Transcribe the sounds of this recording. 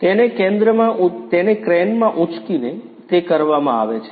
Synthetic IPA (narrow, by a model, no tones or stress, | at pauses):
t̪enekẽnd̪ɾəmãʔut̪enekɾɛnmãʔut͡ʃkinet̪ekəɾʋamã̰a̰ʋet͡ʃʰe̥